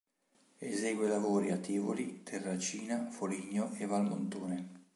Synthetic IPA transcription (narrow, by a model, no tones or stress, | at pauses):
ezeːɡwelavoːɾiat̪ʰːeːvo̰lit̪ʰerːat͡ʃiːnafoliːɲːoʔevalmo̰nt̪oːne